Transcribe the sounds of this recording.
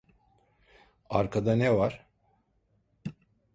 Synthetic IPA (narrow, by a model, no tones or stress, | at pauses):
aɾkʰad̪anɛvaɾ̥